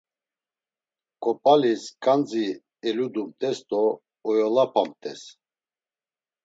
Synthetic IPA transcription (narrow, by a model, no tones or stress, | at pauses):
kʼɔpʼaliskʼand͡zi | ɛlud̪umt̪ʼɛst̪ʼɔː | jɔlapʰamt̪ʼɛs